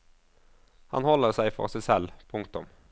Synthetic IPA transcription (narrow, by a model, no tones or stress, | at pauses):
hɑ̰nhɔləʁsæɪfɔ̰ʁsæɪsɛlpʰʊŋk̚t̪ʊm